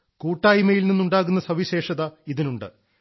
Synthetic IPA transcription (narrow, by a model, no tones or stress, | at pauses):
kuːʈːaːjimɐjilninːuɳɖaːɣunːɐsɐʋiɕe̞ːʂɐðɐiðinuɳɖɨ̰